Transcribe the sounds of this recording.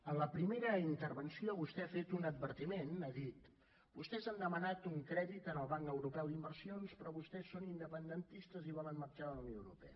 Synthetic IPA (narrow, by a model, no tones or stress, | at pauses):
ənləpɾimeɾəint̪ərβənsioβust̪ɛafet̪unəd̪̚βəɾt̪imenaðit̪ | bust̪ɛzand̪əmənat̪uŋkɾɛðit̪ənəlˠβaŋkəwɾupɛwd̪imbərsionspɾɔβust̪ɛsːonind̪əpənd̪ənt̪ist̪əziβɔlənmərt͡ʃaələwnjoəwɾupɛ̰ə